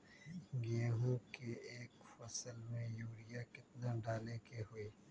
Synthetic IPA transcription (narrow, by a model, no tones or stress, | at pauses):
ɡeːɦokeeːkfɐsəlmẽjuːɾɪjakɪt̪̚naɖaːlekeɦʊeː